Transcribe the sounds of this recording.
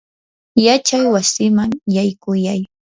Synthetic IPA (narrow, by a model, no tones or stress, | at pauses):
jat͡ʃajwasɪmaŋjajkʊjaj